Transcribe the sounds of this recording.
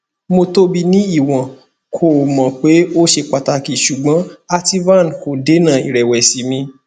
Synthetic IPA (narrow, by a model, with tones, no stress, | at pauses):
mo˧to˦bi˧nĩ˦i˦˨w̃ã˨ | kʰo˦˨mã˨k͡pe˨˦o˦ʃe˧k͡pa˨ta˧ki˨ʃu˨ɡ͡bã˨˦a˧ti˧˦vã˦˨n˨ko˨de˨˦nã˦˨i˨ɾɛ˨wɛ˨si˨˦mĩ˧